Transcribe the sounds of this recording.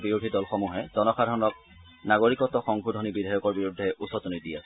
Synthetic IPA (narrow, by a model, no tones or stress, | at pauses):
biɹudʱidɔlxɔmuɦɛzɔnɔxadʱɔɹɔnɔk̚ | naɡoɹikɔtːɔxɔŋɡʱudʱɔnibidʱajɔkɔɹbiɹudʱːɛʔusɔtunidiasɛ